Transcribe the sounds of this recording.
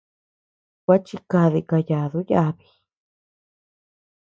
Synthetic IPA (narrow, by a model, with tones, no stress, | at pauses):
kʷa˦t͡ʃi˧ka˧ði˧ka˧ja˧˨ðu˦ja˦˧βi̥˧